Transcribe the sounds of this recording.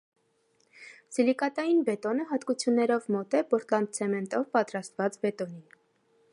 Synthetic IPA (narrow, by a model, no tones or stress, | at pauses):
silikɑt̪ɑjinbɛt̪ɔnəɦɑt̪kut͡sʰjunːɛɾɔvmɔt̪ɛpɔɾt̪lɑnt̪̚t͡sʰɛmɛnt̪ɔvpɑt̪ɾɑst̪vɑt͡sbɛt̪ɔnin